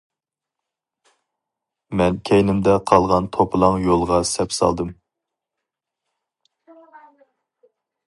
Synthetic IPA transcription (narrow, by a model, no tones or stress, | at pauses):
mɛnkʲʰɛjnɪmd̪ɛqʰɑlˠʁɑnt̪ʰopʰɨlˠɑŋjolˠʁɑsɛpsɑ̰lˠd̪ɨm